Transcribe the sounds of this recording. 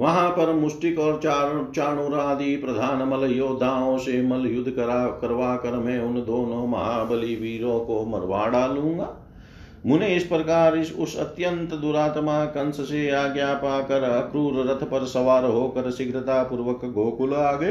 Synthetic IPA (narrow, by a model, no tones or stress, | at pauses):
ʋɐɦãːpɐɾmʊsʈikɔːɾt͡ʃaːɾt͡ʃaːɳuːɾaːd̪iːpɾɐd̪ʱaːnmɐlɐjoːd̪ʱaːõːsemɐljʊd̪ʱːkɐɾʋaːkɐɾmɛ̃ːʊnd̪oːnõːmɐɦaːbɐliʋiːɾõːkoːmɐɾʋa̰ːɽaːlũːŋ̆ɡaː | mʊneɪspɾɐkaːɾsʊsɐ̰t̪jɐnt̪əd̪uɾaːt̪maːkɐnsəseaːɡjaːpaːkɐɾɐkɾuːɾɾɐt̪ʰɐpɐɾsɐʋaːɾɦoːkɐɾsɪɡɾɪt̪aːpuɾʋɐkɡoːkʊlaːɡɐ